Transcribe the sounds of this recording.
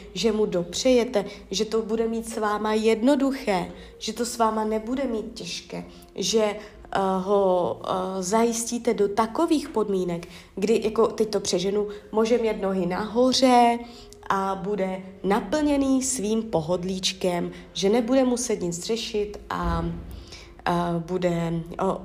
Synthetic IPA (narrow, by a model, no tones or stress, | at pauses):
ʒɛmudo̞pr̝̥ɛjɛt̪ɛʒɛt̪o̞budɛmiːt̪svaːmajɛdno̞duxɛː | ʒ̥ɛt̪o̞svaːmanɛbudɛmiːt̪̚cɛʃkɛː | ʒɛ | ɦo̞ | zajɪsciːt̪ɛdo̞t̪akoviːxpo̞dmiːnɛk | ɡdɪjako̞t̪ɛc̚t̪opr̝̥ɛʒɛnumoːʒɛmjɛt̪no̞ɦɪnaɦo̞r̝ɛ | ʔabudɛnapl̩ɲɛniːsviːmpo̞ɦo̞dliːt͡ʃkɛm | ʒɛnɛbudɛmusɛt̪ɲɪt͡sr̝ɛʃɪt̪ʔa | budɛo